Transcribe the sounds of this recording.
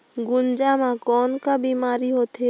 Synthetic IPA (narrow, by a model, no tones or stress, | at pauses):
ɡʊnd͡ʒamãkɔːnkabiːmaːɾiɦoːt̪e